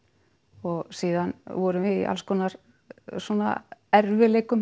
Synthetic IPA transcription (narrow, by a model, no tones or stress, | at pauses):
ɔɣsiːðanvɔɾʏmɪḭʔa̰lskʰɔːnaɾ | sɔna̰ɛɾvɪleːjkʏm